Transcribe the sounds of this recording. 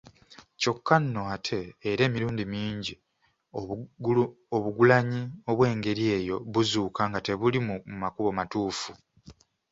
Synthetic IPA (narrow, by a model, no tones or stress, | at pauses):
co̞kːanːo̞atʰe̞ːɾe̞ːmiɾuːndimiːɲɟi | o̞βuɡulaɲio̞βwe̞ːŋɡe̞ɾie̞ːjo̞βuzuːkaŋɡate̞βulimumakuβo̞matuːfu